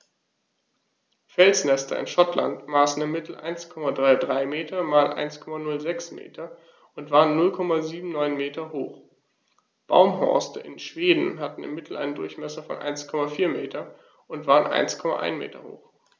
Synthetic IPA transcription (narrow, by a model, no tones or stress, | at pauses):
fɛlsnɛstʰɐ̰ɪ̰nʃɔtla̰ntmaːsn̩ɪmːɪtl̩ʔa̰ɪnskʰɔmadʁaɪdʁaɪmeːtʰɐmaːlʔa̰ɪnskʰɔmanʊlzɛksmḛːtʰɐ | ʔʊntv̥aːʁənːʊlkʰɔmaziːbm̩nɔʏnmeːtɐhoːχ | b̥a̰ʊmɦɔ̰ɐstəʔɪnʃv̥eːdn̩ɦatn̩ɪ̰mːɪtʰl̩ʔa̰ɪnəndʊɐçmɛsɐfɔ̰nʔa̰ɪnskʰɔmafiːɐmeːtʰɐ | ʊntv̥aːʁənʔa̰ɪnskʰɔma̰ʔa̰ɪnmḛːtʰɐ̰ho̰ːx